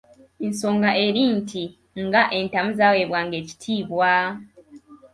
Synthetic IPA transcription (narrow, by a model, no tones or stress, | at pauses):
enso̞ːŋɡaʔe̞ɾiːntʰi | ŋɡaʔe̞ntamuzaweβwaːŋɡe̞ːci̥tʰiːβwa